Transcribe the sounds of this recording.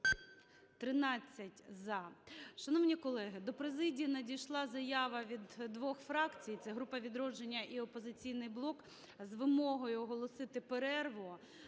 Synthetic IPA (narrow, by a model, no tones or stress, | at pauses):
t̪ɾɪnɑt͡sʲːɐtʲzɐʃɐnɔʋnʲikɔlˠɛɦɪd̪ɔpɾezɪdʲijnɐdʲijʃlˠɑzɐjɑʋɐʋʲid̪ːʋɔxfɾɑkt͡sʲijt̪sɛɦɾupɐʋʲid̪ɾɔd͡ʒenʲːɐʔiɔpɔzɪt͡sʲijnɪjblˠɔk | zʋɪmɔɦɔjʊɔɦɔlˠɔsɪt̪ɪpeɾɛrʋɔ